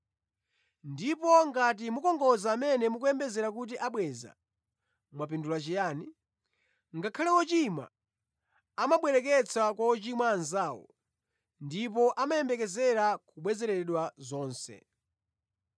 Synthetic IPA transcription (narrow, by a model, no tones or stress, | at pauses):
ndipɔŋɡatimukɔŋɡɔzaːmɛnɛmukuɛmbɛzɛɾak̬ut̬iʔaɓwɛza̰ | mwapindulat͡ʃijaːni | ŋɡakʰalɛɔt͡ʃimwa̰ | amaɓwɛɾɛk̬ɛt͡sʰakwaɔt͡ʃimwaːnzaːwɔ̰ | ndipɔʔamajɛmbɛkɛzɛɾakuɓwɛzɛɾɛɗwazɔːnsɛ̰